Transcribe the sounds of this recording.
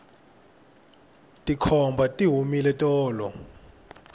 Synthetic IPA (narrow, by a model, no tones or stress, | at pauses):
tʼikʰɔmbʱatʼiɦumilɛtʼɔːlɔ